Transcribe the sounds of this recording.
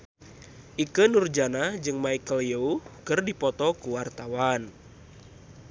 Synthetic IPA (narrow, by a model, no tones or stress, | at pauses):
ʔikənurd͡ʒanad͡ʒɨŋmaikəljoukərdipɔt̪ɔkuwart̪awan